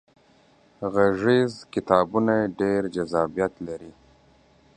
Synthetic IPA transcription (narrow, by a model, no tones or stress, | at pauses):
ɣaʐizkɪt̪ɑːbunajeɖeɾd͡ʒazɑːbijat̪laɾi